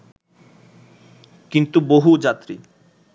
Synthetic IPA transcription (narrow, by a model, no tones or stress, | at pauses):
kint̪uboɦud͡ʑat̪ːɾi